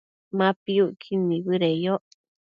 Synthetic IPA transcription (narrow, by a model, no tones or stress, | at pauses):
mãpiuʔkʰinĩβɨɾejoʔ